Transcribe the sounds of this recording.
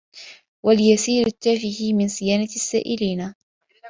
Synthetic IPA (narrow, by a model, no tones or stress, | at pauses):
waljasiːɾɪt̪ːaːfɪhimɪnsɪjaːnasːa̰ːʔɪliːna